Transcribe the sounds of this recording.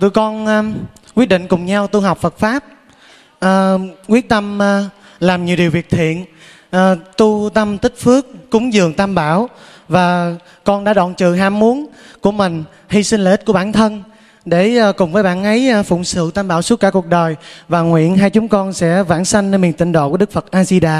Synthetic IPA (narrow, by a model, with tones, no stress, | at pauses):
t̪ṵ˧˨jkɔ˧nː˧ | kwi˦˥t̚ɗḭ̈˨ŋ̟kʊ˨˩ŋ͡mɲa˧wt̪u˧ɦɔ˨˩wk͡p̚fə˨˩t̚faː˦˥p̚ | ʔːkwi˦˥ət̚t̪ə˧mː˧ | laː˨˩mɲi˨˩wɗi˨˩wvi˨˩ək̚t̪ʰḭ˧˨ən | ʔːt̪u˧t̪ə˧mt̪ï˦˥k̟̚fɨ˦˥ək̚ːʊ˨˦ŋ͡mzɨ˨˩əŋt̪aː˧mɓaː˧˩w | vaː˨˩ | kɔ˧nɗa̰ː˧˥ɗɔ̰˧˨nt͡ɕɨ̰˧˨ɦaː˧˩mmu˨˦ənku˧˩əmï˨˩ŋ̟ | hi˧sï˧ŋ̟laː˨˩ʔi˦˥t̚ku˧˩ɓaː˧˩nt̪ʰə˧n | ɗe˧˩˧kʊ˨˩ŋ͡mvəː˨˦jɓaː˧˨nʔə˨˦jfʊ̰˧˨ŋ͡msɨ̰˧˨t̪aː˧mɓaː˧˩wsu˦˥t̚kːaː˧˩ku˨˩ək̚ɗəː˨˩jvaː˨˩ŋwḭ˧˨ənɦaː˧jt͡ɕʊ˨˦ŋ͡mkɔ˧nsɛ̰˧˥vaː˧˩nsa˧jŋ̟ne˧nmi˨˩nt̪ï˧˨ŋ̟ɗo̰˧˨ku˧˩əɗɨ˦˥k̚fə˨˩t̚ʔaː˧zi˧ɗaː˧˩